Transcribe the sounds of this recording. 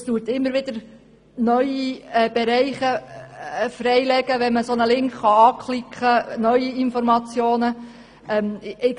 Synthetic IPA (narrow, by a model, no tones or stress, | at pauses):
stuːtɪmːəɾʋɪd̪̥əɾ | nœʏiɛb̥ɛɾɛɪχə | frɛɪlɛɡ̥əʋɛnməsonəlɪŋkχχɑɑːkʰχlɪkχənœʏiɪnfɔɾmɑt͡sjoːnə | ɛmɪk